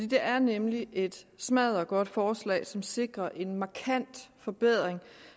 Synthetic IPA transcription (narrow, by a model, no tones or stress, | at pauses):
fd̥ḭːd̥e̝ʔæɐnemliʔe̝d̥smæðˠɒ̽ɡ̥ɒ̽d̥fɒːslɛ̰ːɪsɒ̽mse̝ɡ̥ʁɐʔe̝nmɑ̈kʰæn̰d̥fɒ̽b̥eð̞̰ˠʁeŋ